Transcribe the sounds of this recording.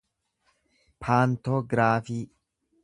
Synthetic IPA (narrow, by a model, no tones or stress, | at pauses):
pʰaːnt̪oɡɾaːfiː